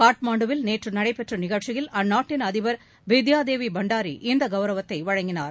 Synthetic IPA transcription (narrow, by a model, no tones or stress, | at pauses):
kaːʈmaːɳɖɯʋɪlneːʈrɯnɐɽɐɪpɛʈrɐnɪɣɐɭt͡ʃɪjɪlɐnːaːʈːɪnɐðɪʋɐɾ | ʋɪd̪jaːd̪eːʋibɐɳɖaːɾḭʔɪnd̪ɐɡɐʋɐɾɐʋɐt̪ːɐɪʋɐɻɐŋɡɪnaːɾ